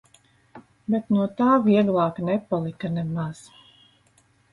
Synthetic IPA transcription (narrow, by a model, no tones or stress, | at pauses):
bet̪nuɔt̪aːviɛɡlˠɑːknɛpalˠikanɛmaz̥